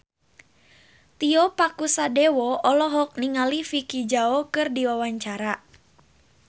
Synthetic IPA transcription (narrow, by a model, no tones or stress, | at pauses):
t̪iɔpakusadɛwɔɔlɔɦɔk̚niŋalifikid͡ʒaɔkɨrdiwawaɲt͡ʃaɾa